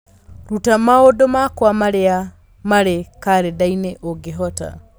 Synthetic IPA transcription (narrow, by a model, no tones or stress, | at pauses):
ɾutamaodomakwamaɾea | maɾekaɾedaineʔoɡeɦɔta̰